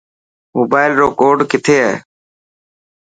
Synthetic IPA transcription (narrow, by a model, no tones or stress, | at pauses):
moːbaːɪlɾoːkoːɖkɪt̪ʰeːɦɛː